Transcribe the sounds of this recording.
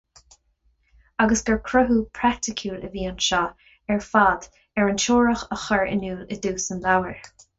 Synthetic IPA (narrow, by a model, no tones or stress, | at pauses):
aɡəsɡ̥əɹkʰɹʊɦuːpʰɹak̚tɪkʰjuːləviːanʃɑː | ɛɹfaːd̪ | ɛɹənʃoːɹəxəxəɹɪ̰nuːləd̪uːsənlawəɹ